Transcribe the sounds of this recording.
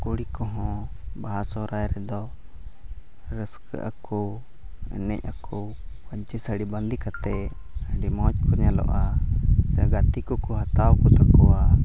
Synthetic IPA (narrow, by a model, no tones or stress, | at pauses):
kuɽikɔɦɔ̃baɦasɔɾajɾɛd̪ɔ | ɾəskə̰ʔakɔ | ɛ̰nɛ̰cakɔ | paɲt͡ʃisəɽiband̪ikat̪ɛ | ɖimɔt͡ʃkʰɔɲalɔ̰ʔasɛɡat̪ikɔkɔɦat̪awkɔt̪akɔwa